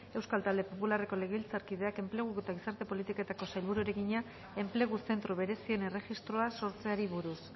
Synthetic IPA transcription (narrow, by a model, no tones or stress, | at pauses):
e̞wskalt̪ald̪e̞po̞pulare̞ko̞le̞ɣe̞βilt͡saɾkið̞e̞ake̞mple̞ɣ̞uet̪aɣ̞isaɾt̪e̞po̞lit̪ikoe̞t̪ako̞sajlβuɾueɾe̞ɣiɲa | e̞mple̞ɣ̞use̞nt̪ɾuβe̞ɾe̞siene̞re̞xist̪ɾo̞aso̞ɾt͡se̞aɾiβuɾus